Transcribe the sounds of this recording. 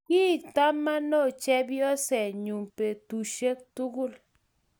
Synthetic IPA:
ki˦˨t̪a˦ma˦no˦˨t͡ʃe˦bjo˦se˨ɲu˨mpe˨t̪u˨ʃe˦k̚t̪u˦ɡu˦l

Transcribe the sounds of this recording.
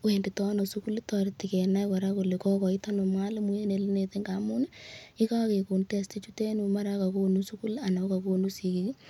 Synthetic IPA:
we˨ndi˨tɔ˦no˨su˦ku˦ltɔ˨ɾti˨ke˨na˦kɔ˨ɾa˦ko˨le˨kɔ˦kɔ˨i˦ta˦no˨mŋa˦le˦mu˦je˦ne˨li˦ne˨te˦ŋɡa˨mu˦ne˦i˦ka˦ke˨ku˨nte˦sti˦t͡ʃu˦te˦nu˨ma˦ɾa˦ka˨ko˦nu˦su˦ku˦la˨na˨˦ka˨ko˦nu˦si˨ki˦k

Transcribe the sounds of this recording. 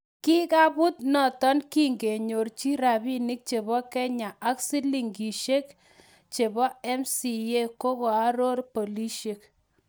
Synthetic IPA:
ki˦ka˦bʊ˦t̚nɔ˨tɔ˦nki˦ŋɡe˨ɲo˨rt͡ʃi˦ɾa˨bi˦nɪ˦k̚t͡ʃe˨bɔ˦kɛ˦ɲa˨ʔa˦ksi˦li˨ŋɡi˨ʃe˦k | t͡ʃe˨bɔ˦ɛ˦msi˨je˦ko˦kɔ˨a˦ɾo˦rpo˨li˦ʃe˨k̚

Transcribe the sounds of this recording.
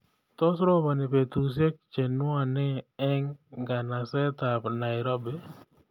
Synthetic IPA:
t̪ɔ˦sɾɔ˦ba˨nɪ˨pe˨t̪ɾu˨s̬e˦k̚t͡ʃe˨nʊ˦a˨nɛ˦ɛ˦ŋɡa˨na˨sɛ˦t̪a˨pna˨ɪɾo˦be˨

